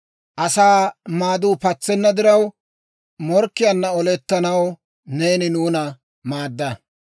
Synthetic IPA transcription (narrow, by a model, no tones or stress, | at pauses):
ʔɐsaːmaːd̪uːpɐt͡sːɛnːɐd̪ɪɾɐw | mɔɾkːɪjɐnːɐɔlɛt̪ːɐnɐw | ne̞ːnɪnuːnɐ | maːd̪ːɐ